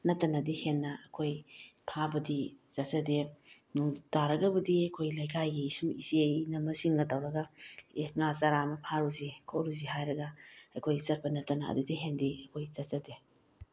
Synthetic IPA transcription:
nɐtːɐnɐdihenːɐɐkʰojpʰabɐdizɐtsɐde | nutaɾɐɡɐbɐdiɐkʰojlajkʰajɡiisumisienɐmɐsiŋɡɐtawɾɐɡɐeŋazaɾamɐpʰaɾuzikʰowɾuziɦajɾɐɡɐɐjkʰojsɐt̚pɐnɐtːɐnɐɐ̰dudiɦendiɐkʰojzɐt̚t͡ʃɐde

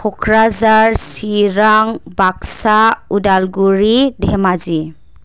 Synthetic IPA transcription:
kʰɔkʰɾazaɹsiɾaŋbaksaudalɡuɹidʱɛmazi

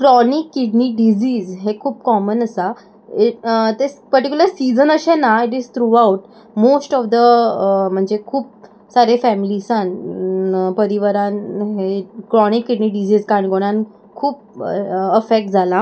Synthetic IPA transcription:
kɾɔnikːiɖniɖid͡ʑiːzɦekʰuːp̚kɔmənəsa | it̪espəɾʈikuləɾsid͡zənəɕenaiʈizt̪ʰɾuauʈ | mosʈɔfd̪əm̤əɳd͡zekʰuːp̚ | saɾefæmilisãn | pəɾiʋəɾanɦekɾɔnikːiɖniɖid͡ʑiːzkaɳɡoɽ̃ãn | kʰuːp̚əfek̚ʈ̚d͡zʱala

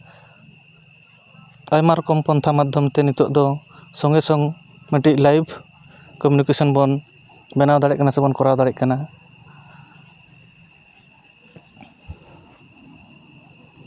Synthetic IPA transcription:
ajmaɾkɔmpɔnt̪ʰamad̪ʱjɔmt̪ɛnit̪ɔʔd̪ɔsɔŋɡɛsɔŋ | mɛʈiʔ̚lajbʰ | kɔmjunikesɔnbɔn | bɛnawd̪aɽɛʔ̚kanasɛbɔnkɔɾawd̪aɽɛʔ̚kana

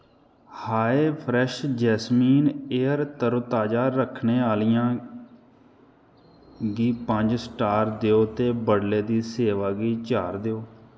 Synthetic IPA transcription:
haːeːpʰɾɛʃd͡ʒɛːsmiːneːəɾt̪əɾoːt̪aːd͡ʒaːɾəkʰneːaːlijãː | ɡiːpəɲd͡ʒsʈaːɾd̪eoːt̪eːbəɽleːd̪iːseːʋaːɡiːt͡ʃaːɾd̪eoː

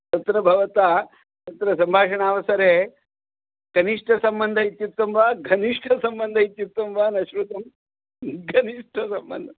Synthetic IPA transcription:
t̪ɐt̪ɾɐbʱɐʋɐt̪aː | t̪ɐt̪ɾɐsɐmbʱaːʂɐɳaːʋɐsɐɾeː | kɐniʂʈʰɐsɐmbɐnd̪ʱɐit̪jut̪ːɐmʋaːɡʱɐniʂʈʰɐsɐmbɐnd̪ʱɐit̪jut̪ːɐmʋaːnɐʃɾut̪ɐm | ɡʱɐniʂʈʰɐsɐmbɐ̰nd̪ʱɐ

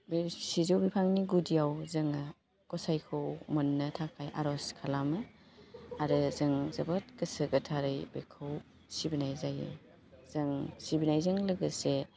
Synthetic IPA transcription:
beɾsizowbipʰaŋniɡudijawzɐŋɐ | kɔsajkʰowmɐnːɐtʰakʰajʔa̰ɾɔskʰalamɯ | aɾɯzɐŋzɐbɐt̚kɐsɐɡɐtʰaɾɯjbekʰɯw | sibinajzajɯ̰ | z̥ɐŋsibinajzɐŋlɐɡɯse

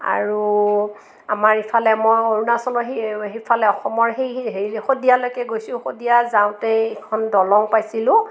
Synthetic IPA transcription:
a̰ɹu | a̰maɹipʰalɛmɔjoɹunasɔlɔɦiɦipʰalɛɔxɔmɔɹɦejɦeɹilxodijalojkɛɡojsʊ̃xodijazaw̃tɛɛkʰɔndɔlɔŋpajsilʊ̃

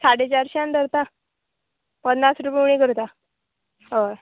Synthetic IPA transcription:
saɽet͡ɕaɾɕiãnd̪əɾt̪a | pənnasɾupeɳĩɡəɾt̪a | ɦəɾ

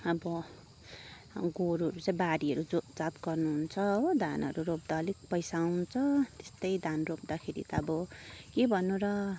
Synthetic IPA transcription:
ʌbʌ | ɡoɾɦʌɾut͡saĩbaɾiɦʌɾuod͡zat̪ɡʌrnuɦunt͡sʰʌʌd̪ʱanʌ̰ɾuropd̪alik̚pʌjsaw̃t͡sʰʌt̪e̥st̪ʌjd̪ʱanrop̚d̪akʰeɾḭt̪ʌbʌkebʱʌnːũɾʌ

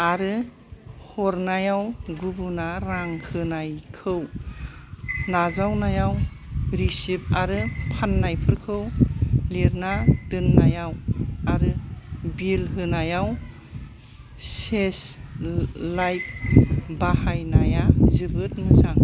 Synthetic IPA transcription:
aɾɯ | hɔɾnajawɡubunaɾaŋhɯnajkʰɯw | nazawnajaw | ɾisip̚aɾɯpʰanːajpʰɯɾkʰɯwleɾnadɯnːajawaɾɯbilɦɯnajaw | ses | lajt̚bahajnajazɯbɯt̚mɯzaŋ

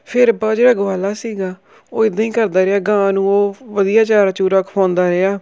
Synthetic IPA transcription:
pʰɪɾbaːd͡ʒeːɽaːɡʊaːlaːsiːɡaː | oːɪd̪ãːĩːkəɾd̪aːɾeaːɡãːnũːoːʋəd̪ijaːt͡ʃaːɾat͡ʃuːɾaːkpʰãːnd̪aːɾeaː

